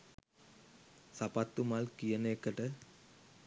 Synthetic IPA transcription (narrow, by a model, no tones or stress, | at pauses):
sapat̪ːumalkijəneːkːəʈə